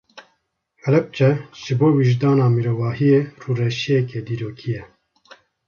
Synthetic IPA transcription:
hɛlɛp̚t͡ʃɛʒ̥ɨboːwiʒd̪ɑːnɑːmiɾoːvɑːɦijeːruːrɛʃijɛkʰed̪iːɾoːkʰijɛ

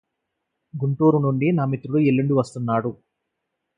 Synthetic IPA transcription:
ɡuɳʈuːɾunuɳɖinaːmit̪ɾuɽuelːiɳɖiʋɐst̪unːaːɽu

